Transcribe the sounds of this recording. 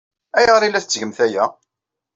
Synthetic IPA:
æjʁɾilːæθət͡sːʝəmθæjæ

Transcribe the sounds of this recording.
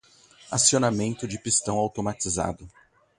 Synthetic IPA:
asionamẽnt̪ʊd͡ʒɪpist̪ɐ̃w̃awt̪omat͡ʃiza̰d̪ʊ

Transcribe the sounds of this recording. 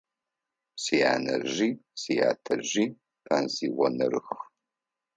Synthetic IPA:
sijaːnɐ̰ʒiːsijaːtʰɐʒiː | pʰaːnziːwɔnɨɾɨx

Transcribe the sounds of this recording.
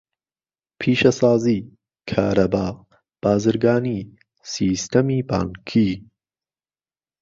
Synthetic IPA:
pʰiːʃɐsaːziː | kʰaːɾɐbaːq | b̥aːzɨɾɡaːni | siːst̪ʰɐmiːba̰ːnkʰi

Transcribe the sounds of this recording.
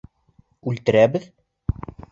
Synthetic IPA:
ʉlt̪ɘ̆ɾæbɘð

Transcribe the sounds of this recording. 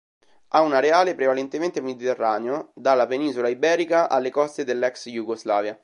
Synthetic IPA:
aunaɾeaːlepɾevalent̪ement̪emed̪it̪erːaːneod̪alːapeninsolaibɛːɾikaʔa̰lːekɔst̪ed̪elːɛksjuɡozlaːvja

